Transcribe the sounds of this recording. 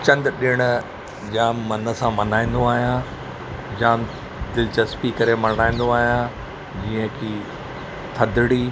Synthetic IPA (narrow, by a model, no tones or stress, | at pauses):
t͡ɕɐ̃nd̪ɗɪɽ̃ʊ | d͡ʑãːmɐnə̆sãmɐnaːĩːn̆d̪oaːɦijã | d͡ʑãː | d̪ɪlt͡ɕəspikɐɾemɐnaːĩːn̆d̪oaːɦijã | d͡ʑiːə̃kʰiː | t̪ʰɐd̪ɪɽiː